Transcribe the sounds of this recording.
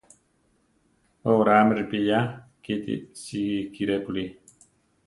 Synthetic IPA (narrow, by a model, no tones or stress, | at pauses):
oɾaməɾpijakit̪ḭʔsikiɾepuli